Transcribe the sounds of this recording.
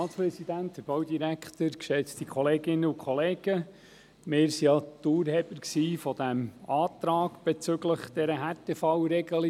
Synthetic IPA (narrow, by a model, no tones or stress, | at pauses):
ɑːspɾɛsid̪ænt̪həɾb̥ɑwd̪iɾækχt̪əɾkʃɛt͡stikʰχɔleːɡɪnːəukχɔleːɡ̥ə | mɪːɾsiɑt̪uːɾhɛbəɾksiːfɔd̥̪æmɑːt̪ɾɑːɡ̥b̥ɛt͡sʏɡləχd̥ɛɾəɦæɾtɛfɑwɾɛɡ̥əli